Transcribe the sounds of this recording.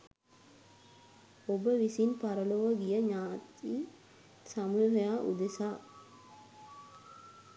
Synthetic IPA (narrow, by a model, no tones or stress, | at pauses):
obəʋisinpaɾəloːʋəɡijəɲaːt̪iː | samuːɦəjaːʔṵd̪esaː